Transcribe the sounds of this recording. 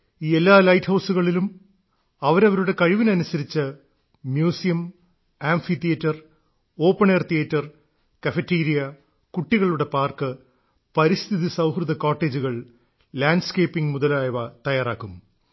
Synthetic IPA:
iːe̞lːaːlɐjthɐwsuɣɐɭilum | ɐʋɐɾɐʋɐɾuɽe̞kɐɻiʋinɐnusɐɾit͡ɕːɨ | mjuːsijɐm | aːɱfit̪ijɐtːɐr | oːpːɐɳeːrt̪ijɐtːɐr | kɐfetːiːɾijɐ | kuʈːiɣɐɭuɽe̞paːrkɨ | pɐɾist̪ʰiðisɐwhrɨðɐkoːʈːe̞ːd͡ʑuɣɐɭ | laːɳɖskeːpːiŋmuðɐlaːjʋɐt̪ɐjaːraːkːum

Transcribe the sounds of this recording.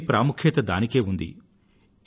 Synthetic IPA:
pɾaːmukʰjet̪ɐd̪aːnike̞ːund̪ḭ

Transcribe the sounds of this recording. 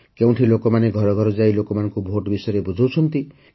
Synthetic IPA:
kew̃ʈʰilokɔmaneɡʱɔɾɔɡʱɔɾɔd͡ʒailokɔmanɔŋkubʱoʈbisɔjɾebud͡ʒʱawt͡ʃʰɔnt̪i

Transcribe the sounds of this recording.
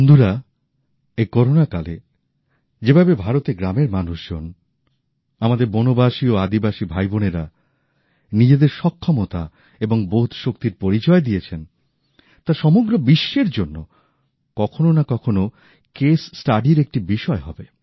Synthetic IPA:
nd̪ʱuɾa | ejkɔɾonakalḛ | d͡ʑebʱabebʱaɾot̪eɡɾameɾmanuʃd͡ʑon | amad̪eɾbonobaʃioad̪ibaʃibʱajboneɾa | nid͡ʑed̪eɾʃɔkʰːɔmot̪a̰ | eboŋbout̪ʰʃokt̪iɾpoɾit͡ɕɔed̪ijet͡ɕʰen | t̪aɾʃɔmoɡɾobiʃːeɾd͡ʑonːo | kɔkʰononakɔkʰono | kesːʈaɖiɾek̚ʈibiʃɔeɦɔbe

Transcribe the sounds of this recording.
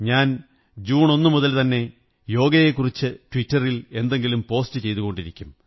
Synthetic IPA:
ɲaːn | d͡ʑuːɳo̞nːɨmuðɐlt̪ɐnːe̞ | jo̞ːɡɐjekːurit͡ɕːɨtwitːɐrile̞nd̪e̞ŋɡilumpo̞ːstɨt͡ɕe̞jt̪uɣo̞ɳɖiɾikʲːum

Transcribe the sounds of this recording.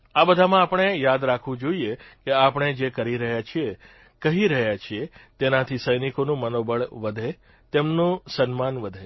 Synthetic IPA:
abəd̪ʱamãapəɳ̃ejad̪ɾakʰʋũd͡ʒoiekeapəɳ̃ed͡ʒekəɾiɾəɦjat͡ʃʰie | kəɦiɾəɦjat͡ʃʰiet̪enat̪ʰisəjnikonũmənobəɭʋəd̪ʱe | t̪emnũsənmanʋəd̪ʱe

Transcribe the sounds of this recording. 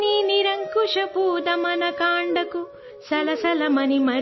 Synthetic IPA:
niniɾɐŋkuʂɐpuːd̪ɐmɐnɐkaːɳɖɐku | sɐlɐsɐlɐmɐnimɐ

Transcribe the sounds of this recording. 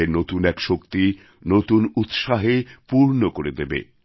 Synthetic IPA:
enot̪unɛkʃokt̪i | not̪unut̪ʃaɦepuɾnokoɾed̪ebḛ

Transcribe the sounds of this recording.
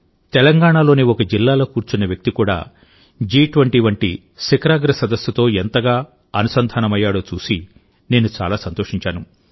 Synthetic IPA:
t̪ɛlɐŋɡaːɳaːlo̞ːniɔkɐd͡ʒilːaːlo̞ːkuːɾt͡ʃunɐʋjɐk̚t̪ikuːɽa̰ː | d͡ʒiːʈʋɐɳʈiːʋɐɳʈḭ | sikɾaːɡɾɐsɐd̪ɐsːut̪o̞ːent̪ɐɡaː | ɐnusɐnd̪ʱaːnɐmɐjːaːɽo̞ːt͡ʃuːsi | ne̞ːnut͡ʃa̰ːlaːsɐnt̪o̞ːʂiɲt͡ʃaːnu

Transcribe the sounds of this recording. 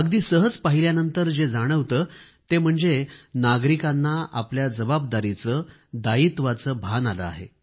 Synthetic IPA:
əɡd̪iːsəɦəd͡zpaɦiljanənt̪əɾd͡zed͡zaɽ̃əʋt̪əː | t̪em̤əɳd͡zenaɡɾikanːaa̰pljad͡zəbab̚d̪aɾit͡sə | d̪ait̪ʋat͡səːbʱanalə̰a̰ɦḛ

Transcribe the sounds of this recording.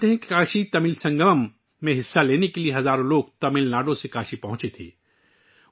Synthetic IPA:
t̪eɦɛ̃ki̥kaːʃit̪ɐmɪlsɐ̃ŋɡəməmː | ẽɦɪsːaleːnekelieɦɐzaːɾõloːɡt̪ɐmɪlnaːɖõsekaːʃipɐɦʊ̃t͡ʃet̪ʰḛː

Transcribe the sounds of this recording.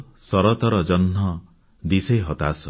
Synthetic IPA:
sɔɾɔt̪ɔɾɔd͡ʒɔnɦɔ | d̪isejɦɔt̪asɔ

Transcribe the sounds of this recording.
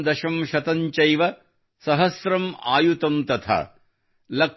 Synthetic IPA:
d̪ɐʃɐmʃɐt̪ɐɲt͡ʃɐjʋɐ | sɐɦɐsɾɐmaːjut̪ɐmt̪ɐt̪ʰa̰ː | lɐ

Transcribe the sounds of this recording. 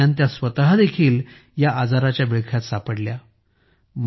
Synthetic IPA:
ãnt̪jasʋət̪ɦad̪ekʰiːl | jaʔad͡zaɾat͡ɕjabiɭkʰjat̪sapəɽlja | m

